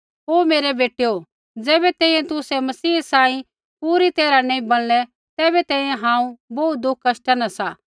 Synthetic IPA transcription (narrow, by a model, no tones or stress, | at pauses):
ɦoːmeːɾɛbeːʈejo | d͡zɛːbɛt̪ɛ̃ːĩjɛ̃t̪ʊsɛmɐsiːsãːĩ | puːɾit̪eːɾanɐ̃ĩbɐl̃lɛ | t̪ɛːbɛt̪ɛ̃ːĩjẽɦãːũboːt̪̚d̪ʊkʰːɐʃʈɐnasaː